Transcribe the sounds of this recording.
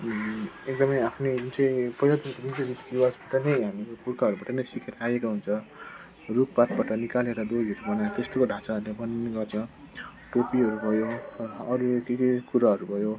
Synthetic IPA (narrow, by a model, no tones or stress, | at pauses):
ek̚d̪ʌmʌjapʰneunt͡sʌj̃pʌɦilad̪ink̪obʱid͡zobit̪kiwasbaʈʌnʌjɦamipurkʰaɦʌɾubaʈʌnʌjsikʰeɾajekaɦunt͡sʰʌ | rup̚bat̪̚baʈʌnikaleɾʌd̪oɾiɦʌɾubʌnajt̪est̪okoɖʱãt͡saʌɾulebʌneɡʌrt͡sʰʌ̃ | ʈopiʌɾubʱʌjoʌɾukekikuɾaɦʌɾubʱʌjo